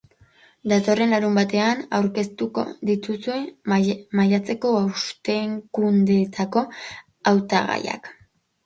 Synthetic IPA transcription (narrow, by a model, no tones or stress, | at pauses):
d̪at̪o̞re̞nlaɾumbat̪e̞ana̰wɾke̞st̪uko̞̰ðit̪usue̞majat͡se̞ko̞awst̪e̞ŋkund̪e̞t̪ʰako̞ | awt̪aɣa̰ja̰k